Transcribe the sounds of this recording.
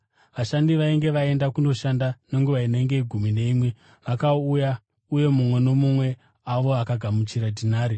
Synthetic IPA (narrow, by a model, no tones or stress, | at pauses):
ʋaʃandiʋaiŋɡe̞ʋae̞ndakuno̞ʃandane̞ŋɡuʋaine̞ŋɡe̞iɡʱumine̞imwe̞ | ʋakauja | uje̞mumwe̞no̞mumwe̞ | aʋo̞akaɡʱamut͡ʃiɾadʱinaːɾi